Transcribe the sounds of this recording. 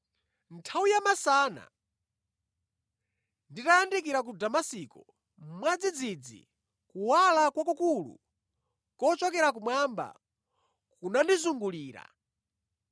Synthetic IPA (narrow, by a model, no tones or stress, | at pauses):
ntʰawujamasaːna̰ | nditajandik̬iɾak̬udamasiːkɔ | m̩mwad͡zid͡zid͡zḭ | kuwalakwakukulṵ | kɔt͡ʃɔkɛɾak̬umwamba̰ | kunandizuŋɡuliːɾa̰